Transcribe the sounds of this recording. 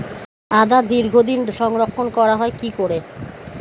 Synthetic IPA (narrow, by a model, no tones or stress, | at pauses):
ad̪ad̪iɾɡʱod̪inʃɔŋɾokʰːonkɔɾaɦɔekikoɾe